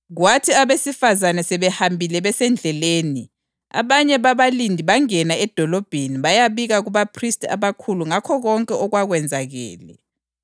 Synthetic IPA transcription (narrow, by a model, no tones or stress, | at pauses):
ɣwatʰiaβesifazanɛsɛβɛhambʱilɛβɛsɛnd͡ɮʱɛleːni | a̰βaɲɛβaβalindʱiβaŋɛnaɛd̥ʱɔlɔb̥ʱeniβajaβiɣaɣuβapʰristʰʼa̰βakʰuluŋakʰɔɣɔŋkʼɛɔɣwaɣwɛnd͡zʱaɣɛ̰ːlɛ̰